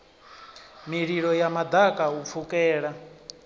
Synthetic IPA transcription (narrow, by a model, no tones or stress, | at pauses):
miɺiɺɔjamad̪akʼaup̪fʰukʼɛːɺa